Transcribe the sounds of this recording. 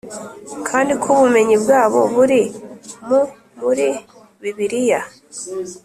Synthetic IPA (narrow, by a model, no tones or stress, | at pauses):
kʰaːndikʰuβume̞ɲibɡaːβo̞̰βuɾimu | muɾi | βiβiɾija